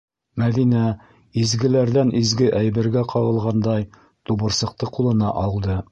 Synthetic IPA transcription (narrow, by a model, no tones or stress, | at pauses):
mæðinæ | izɡɘ̆læɾðænʔizɡɘʔæjbɘ̆ɾɡæqʰɑʁɤ̆lˠʁɑnd̪ɑj | t̪ubɤ̆ɾsɤ̆q̚t̪ɤqulˠɤ̆nɑʔɑlˠd̪ɤ